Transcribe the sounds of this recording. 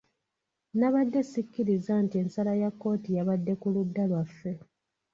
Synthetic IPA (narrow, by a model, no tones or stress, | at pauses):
naβadːe̞sikːiɾizantie̞nsalajakːo̞ːtijaβadːe̞kuludːalwafːe̞